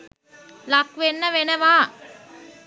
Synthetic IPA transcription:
lɐkʋenːɐʋenɐʋaː

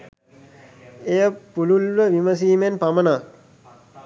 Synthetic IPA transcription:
ejəpululʋəʋiməs̬iːmenpamənaː

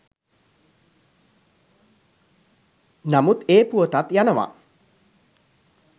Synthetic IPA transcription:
namut̪eːpuət̪at̪janəʋa̰

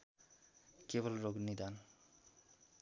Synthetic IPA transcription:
kebolɾoɡnid̪an

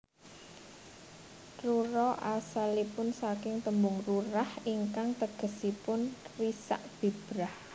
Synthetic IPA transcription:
ruɾɔʔasalipʊnsakɪŋt̪əmbʊŋruɾahiŋkaŋt̪əɡ̥ə̤sipʊnrisa̰ʔb̥i̤b̥ɾah

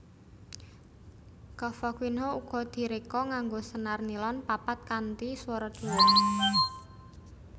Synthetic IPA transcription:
kɔfɔkwinɦouɡ̥ɔ̤d̪̥i̤ɾekɔŋaŋɡosənarnilɔnpapat̪̚kant̪iswɔɾɔd̥d̪̥ṳwɔnine

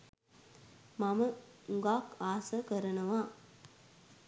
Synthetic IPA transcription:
maməuŋɡaːkaːsɐkəɾɐnɐʋaː

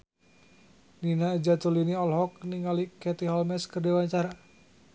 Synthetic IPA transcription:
ninaid͡ʒat̪uliniɔlɦɔk̚niŋalikɛt̪iɦɔlmɛskərdiwaɲt͡ʃaɾa

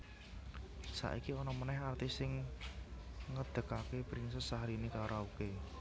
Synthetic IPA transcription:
sa̰ʔikiɔnɔmənɛɦart̪isɪŋ | ŋəd̪̥ə̤kakepɾɪnsəsaɦɾinikaɾauke

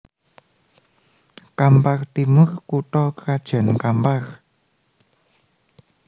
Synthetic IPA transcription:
kampart̪imʊrkuʈɔkkad̥ʒ̥a̤nkampaχ

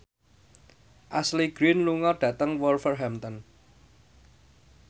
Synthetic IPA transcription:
ʔasliɡ̥ɾinluŋɔɖ̥ä̤t̪əŋwɔlfərɦamt̪ɔn

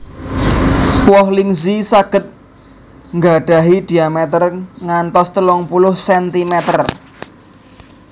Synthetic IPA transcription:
wɔɦliŋzisaɡ̥ə̤t̪̚ | ŋɡaɖ̥a̤ɦid̪̥i̤amɛt̪ərŋant̪ɔst̪əlɔŋpulʊhsɛnt̪imɛt̪ər

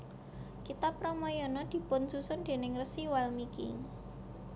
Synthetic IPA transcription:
kit̪apːɾɔmɔjɔnɔd̪̥i̤pʊnsusʊnd̪̥e̤nɪŋrəsiwalmikḭ

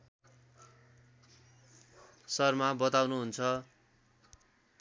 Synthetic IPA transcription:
sʌrmabʌt̪awnuɦunt͡sʰʌ

